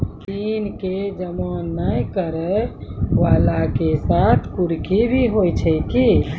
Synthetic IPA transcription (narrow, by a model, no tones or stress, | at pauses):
t̪inked͡ʒəmõnəjkəɾəʋalakesat̪ʰkuɾkibʱiɦojt͡ʃʰɛki